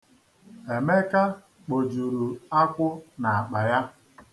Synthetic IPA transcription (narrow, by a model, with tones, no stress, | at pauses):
e˨me˦ka˦ | k͡po˨d͡ʒu˨ɾu˨a˦kʷʊ˦na˨a˨k͡pa˨ja˦